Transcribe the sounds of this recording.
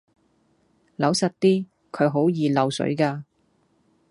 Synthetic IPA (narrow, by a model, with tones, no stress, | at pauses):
lɐ˨˧˥wsɐ˨t̚t̪iː˥ | kʰɵ˨˧ɥɦo˨˥wjiː˨˧lɐ˨˧wsɵ̰˨˥ɥkaː˧